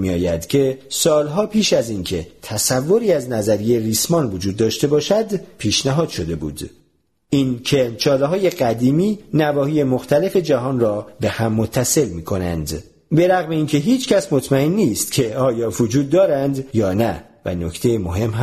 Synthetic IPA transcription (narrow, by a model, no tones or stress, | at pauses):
miɒ̰ːjæd̪̥cʰe̞sɒːlɦɒːpʰiːʃæzincʰe̞t̪ʰæsævːo̞ɾiːæznæzæɾijejeɾiːsmɒːnvod͡ʒuːd̪ːɒːʃt̪e̞bɒːʃæd̪pʰiːʃnæɦɒːd̪̥ʃo̞d̪e̞bṵːd̪̥ | ʔincʰe̞t͡ʃʰɒːleɦɒːje̞ɢæd̪iːmiːnævɒːhiːje̞moxt̪ʰæle̞fe̞d͡ʒæɦɒːnrɒːbe̞hæmːot̪ʰːæse̞lmiːkʰo̞næ̰nd̪ | be̞ɾæɣme̞iːncʰe̞ɦiːt͡ʃʰcʰæsmot̪ʰmæenːiːst̪cʰe̞ɒːjɒːvod͡ʒuːd̪̚ːɒːɾænd̪jɒːnævæ̰no̞cʰt̪ʰe̞jemoɦe̞mɦ